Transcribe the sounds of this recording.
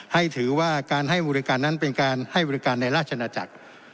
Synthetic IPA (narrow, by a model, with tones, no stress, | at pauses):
ha˥˩jt̪ʰɯː˩˦waː˥˩kaː˧nɦa˥˩jbɔː˧ɾi˦˥kaː˧nːa˦˥npe˧nkaː˧nha˥˩jbɔː˧ɾi˦˥kaː˧nːa˧jɾaː˥˩t͡ɕʰa˧naː˧t͡ɕa˨˩k̚